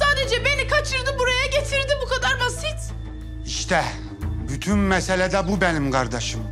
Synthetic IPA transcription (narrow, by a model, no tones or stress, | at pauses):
saːd̪ed͡ʒɛbe̞nikʰat͡ʃʰɯɾd̪ɯbuɾajaɟet̪ʰiɾd̪ibukʰad̪aɾbasit̪ | iʃt̪ʰɛ | byt̪ʰynmɛselʲɛd̪ɛbubenimkʰaɾd̪aʃɯm